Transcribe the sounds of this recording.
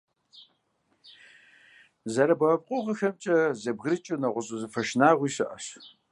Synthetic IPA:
zɐɾɐbɐɐp̚qʷʼʊʁɐxɐmt͡ʃʼɐzɐbɣɾɨt͡ʃʼɨnɐʁʷʊɕʼɨzɨfɐʃnaːʁʷiːɕɨʔɐɕ

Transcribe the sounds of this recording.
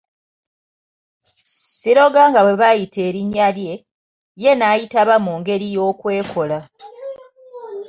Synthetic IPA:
siɾo̞ɡaŋɡaβwe̞βajitʰe̞ːɾiɲːalje̞ | je̞najitaβamuːŋɡe̞ɾijo̞ːkwe̞ːkʰo̞la

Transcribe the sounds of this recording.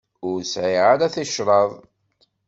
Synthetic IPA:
ʊɾsʕɪʕaɾæθəʃɾˤɑðˤ

